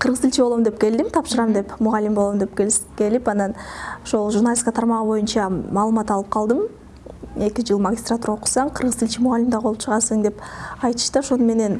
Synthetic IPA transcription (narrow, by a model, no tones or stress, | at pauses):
qʰɯɾʁɯzilʲt͡ʃiboomd̪e̞p̚kʲe̞ld̪imt̪ʰɑpʃɯɾɑmd̪e̞pmuʁɑlʲːimbolˠomd̪e̞pkeke̞lipɑnɑnoʃolˠʒurnalʲiskɑt̪ʰɑɾmɑʁɯbo̞junt͡ʃɑmɑːlˠɯmɑt̪ɑlˠɯp̚qʰɑlˠd̪m | e̞kʲid͡ʒɯlˠmaɡʲist̪rat̪uɾɑoqu̥sɑɴqʰɯɾʁɯzilʲt͡ʃimʊʁɑlʲːimd̪ɑʁʰo̞lˠupt͡ʃʰəʁɑɾsɯŋd̪e̞pɑjt̪ɯ̥ʃt̪ɯoʃo̞nume̞ne̞n